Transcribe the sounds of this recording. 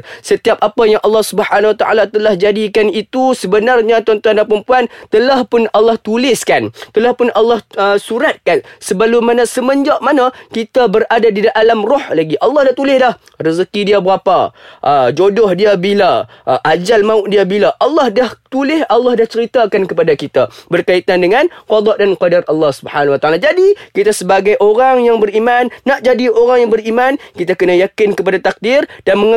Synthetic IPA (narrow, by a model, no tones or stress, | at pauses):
sət̪iap̚apajaŋʔɑlːɑhsubəħanawat̪aʔa̰lat̪əlahd͡ʒadikanit̪usəbənarɲat̪uant̪uandapəɾəmpuant̪əlahpʊnalːɑht̪ulɪskant̪əlahpʊnʔalːɑhəsuɾat̪̚kansəbalumanãsəməɲd͡ʒaʔmanãkit̪abəɾadadidaʔalamrɔhlaɡiʔalːɑhdaht̪ulɪhdah | rəzəkidiabəɾapa̰ʔd͡ʒodɔhdiabila | ʔʔad͡ʒalmãʊʔdiabilaʔɑlːɑhdaht̪ulɪhɑlːɑhdaht͡ʃəɾit̪akankəpadakit̪abərkait̪andəŋãnkwɑd̪ˤɑʔdanqadarɑlːɑhsubəħanawat̪aalad͡ʒadikit̪asəbaɡajʔoɾaŋjaŋbəɾimanːaʔd͡ʒadioɾaŋjaŋbərimankit̪akənajakɪnkəp̬adat̪ak̚dɪrd̥anməŋ